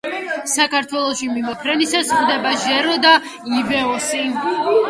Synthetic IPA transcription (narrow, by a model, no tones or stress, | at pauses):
sakʰaɾt̪ʰwɛlˠɔʃimimɔpʰɾɛnisasχd̪ɛbaʒɛɾɔd̪a | ivɛɔsi